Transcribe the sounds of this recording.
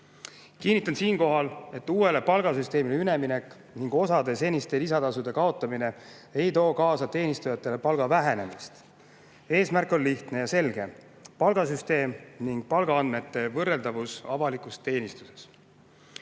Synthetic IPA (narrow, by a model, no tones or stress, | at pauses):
kinːit̪ːˑɑnsiːnko̞ɦɑle̞t̪ːuːe̞le̞pɑlɡ̥ɑsyst̪e̞ːmileyne̞mine̞kːˑ | niŋɡ̥o̞sɑd̪e̞se̞nʲist̪e̞lisɑt̪ɑsud̪̥e̞kɑo̞t̪ːˑɑmine̞ | e̞jt̪o̞ːkɑːsɑt̪e̞ːnist̪ujɑt̪ːˑe̞le̞pɑlɡ̥ɑvæɦe̞ne̞mist̪ | e̞ːsmærkːˑo̞nliht̪ne̞jɑse̞lɡ̥e̞ | pɑlɡ̥ɑsyst̪e̞ːmniŋɡ̥̚pɑlɡɑɑnme̞t̪ːe̞vɤrːe̞ld̪ɑvusɑ̰vɑlikˑust̪e̞ːnist̪u̥se̞s